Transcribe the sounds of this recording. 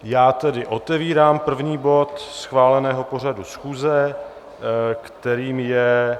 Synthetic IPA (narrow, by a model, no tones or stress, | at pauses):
jaːt̪ɛdɪʔo̞t̪ɛviːɾaːmpr̩vɲiːbo̞t̪sxvaːlɛnɛːɦo̞po̞r̝adusxuːzɛ | kt̪ɛɾiːmjɛ